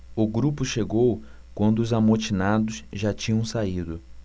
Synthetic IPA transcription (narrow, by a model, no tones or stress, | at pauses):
ʊɡɾupʊʃeɡow | kwɐ̃nd̪ʊʊzamot͡ʃinad̪ʊsʒat͡ʃĩɲɐ̃w̃said̪ʊ